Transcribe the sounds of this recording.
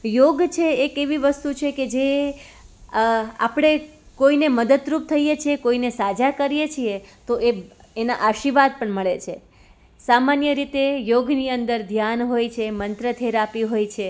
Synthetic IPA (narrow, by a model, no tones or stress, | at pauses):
joɡt͡ʃʰeːkeʋiʋəst̪ut͡ʃʰeked͡ʒe | a̰pɽ̃e | koineməd̪əd̪ɾup̚t̪ʰəijet͡ʃʰiekoinesad͡ʒakəɾijet͡ʃʰiet̪oʔe | ena̰ʔaʃiʋad̪̚pəɳməɭet͡ʃʰe | samanjəɾit̪ejoɡniənd̪əɾd̪ʱjanɦojt͡ʃʰemənt̪ɾət̪ʰeɾapiɦojt͡ʃʰe